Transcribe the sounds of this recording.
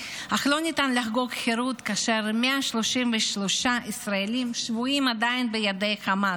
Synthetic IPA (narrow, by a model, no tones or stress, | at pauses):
haχlonit̪anlaxɡokχeɾut̪kaːʃeɾmeaʃloʃimveʃloʃaʔisɾaelimʃvuimad̪ainbejad̪ejχama